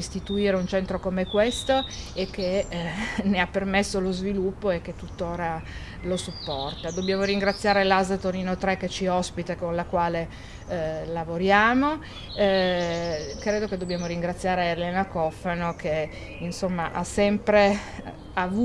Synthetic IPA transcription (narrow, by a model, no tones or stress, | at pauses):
ist̪it̪uiːɾeunt͡ʃɛnt̪ɾokomekwest̪oek̟ːe | neapːermesːolozvilupːoek̟ːet̪ːut̪ːoːɾa | losupːɔrt̪ad̪obːjaːmoɾiŋɡɾat̪sːjaːɾelazat̪oɾiːnot̪ɾɛkːet͡ʃiɔspit̪ekonlakwaːle | lavoɾjaːmo | kɾeːd̪oked̪objaːmoɾiŋɡɾat̪sːjaːɾeːlɛːnakɔfːanoke | insomːaʔasɛmpɾe | avu